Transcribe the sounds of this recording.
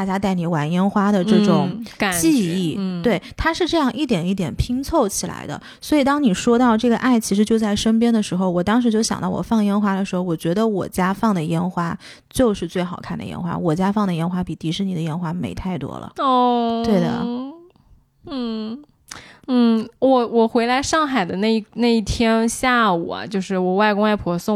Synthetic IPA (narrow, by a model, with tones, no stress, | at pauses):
t̪a˥˩t͡ɕja˥t̪a˥˩ɪni˨˩wa˧˥njɛ˥nxwa˥d̪ə˨ʈ͡ʂɤ˥˩ʈ͡ʂʊ˨˩˦ŋ˨t͡ɕi˥˧i˥˩t̪we˥˩ɪt̪ʰa˥ʂɻ̩˥˧ʈ͡ʂɤ˥˧jɑ˥˧ŋʔi˥˩t̪jɛ˨˩ni˥˩t̪jɛ˨˩npʰi˥ŋt͡sʰo˥˩ʊt͡ɕʰi˨˩la̰˧˥ɪd̪ə̰˧ | swɔ˧˥i˨˩t̪ɑ˥ŋni˨˩ʂwɔ˥t̪ɑ˥˧ʊʈ͡ʂɤ˥˩ɡə˩ʔa˥˩ɪt͡ɕʰi˧˥ʂɻ̩˧˥t͡ɕjo˥˧ʊt͡sa˥˩ɪʂə˥np̬jɛ˥nd̪ə˨ʂɻ̩˧˥xo˧ʊwɔ˨˩t̪ɑ˥ŋʂɻ̩˧˥t͡ɕjo˥˩ʊɕjɑ̰˨˩ŋt̪ɑ˥˩ʊwɔ̰˨˩fɑ˥˩ŋjɛ˥nxwa˥d̪ə˨ʂɻ̩˧˥xo˥˧ʊwɔ˨˩t͡ɕɥɛ˧˥d̪ə˧wɔ˨˩t͡ɕja˥fɑ˥˩ŋd̪ə˩jɛ˥nxwa˥ | t͡ɕjo˥˧ʊʂɻ̩˥˧t͡swe˥˩ɪxɑ˨˩ʊkʰa˥˩nd̪ə̰˩jɛ̰˥nxwa̰˥wɔ˨˩t͡ɕja˥fɑ˥˩ŋd̪ə˩jɛ˥nxwa˥pi˨˩t̪i˧˥ʂɻ̩˥˩ni˨˩d̪ə˦jɛ˥nxwa˥mḛ˧˥ɪt̪ʰa˥˩ɪt̪wɔ̰˥lə̰˩ɔ˥˧t̪we˥˩ɪd̪ə̰˩ | n̩˥˩ | n̩˥˩wɔ˨˩wɔ˨˩xwe˧˥ɪla˧˥ɪʂɑ˥˩ŋxa˨˩ɪd̪ə˦na˥˧i˥˩na˥˧i˥˩t̪ʰjɛ˥nɕja˥˩ṵ˨˩ɐ̰˨˦t͡ɕjo˥˧ʊʂɻ̩˥˩wɔ˨˩wa˥˩ɪkʊ˥ŋa˥˩ɪpʰwɔ˧˥sʊ˥˧˩